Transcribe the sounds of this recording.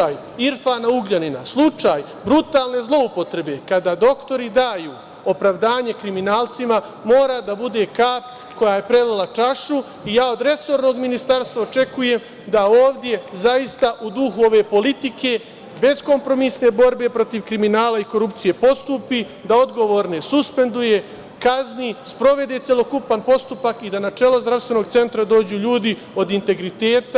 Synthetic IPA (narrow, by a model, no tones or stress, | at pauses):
aj | iɾfaːnauɡʎanina̰slˠut͡ʃaːj | bɾut̪aːlˠne̞zlˠo̞upo̞t̪ɾe̞be̞kad̪ad̪o̞kt̪o̞ɾid̪aːjuː | o̞pɾaʋd̪aːɲe̞kɾiminaːlˠt̪sima | mo̞ːɾad̪abud̪e̞kaːp | ko̞jaːje̞pɾe̞lolˠat͡ʃaʃu | ijaːo̞d̪ɾe̞so̞ɾno̞ɡminist̪aɾst̪ʋaot͡ʃe̞kuje̞m | d̪aoːʋd̪je̞zajist̪aʔud̪uxuo̞ʋe̞ːpo̞lit̪ike̞ | be̞zko̞mpɾo̞misne̞bo̞ɾbe̞pɾo̞t̪iʋkɾiminaːlaiko̞ɾupt̪sije̞po̞st̪uːpi | d̪ao̞d̪ɡo̞ʋo̞ːɾne̞suspe̞nd̪uje̞ | kaznispɾo̞ʋe̞d̪e̞t̪sʲjelo̞kupanpo̞st̪upakid̪anat͡ʃe̞lˠozd̪ɾaʋst̪ʋe̞no̞ɡt̪se̞nt̪ɾad̪o̞ːd͡ʑuːʎuːd̪i | o̞d̪int̪e̞ɡɾit̪e̞ːt̪a